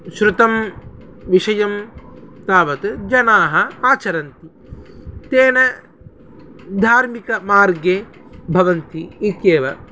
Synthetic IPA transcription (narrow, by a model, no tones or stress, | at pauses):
ʃɾut̪ɐm | ʋiʃɐjɐmt̪aːʋɐt̪ɨd͡ʒɐnaːɦɐaːt͡ʃɐɾɐnt̪i | t̪eːnɐ | d̪ʱaːɾmikɐmaːɾɡjeːbʱɐʋɐnt̪iit̪jeːʋɐ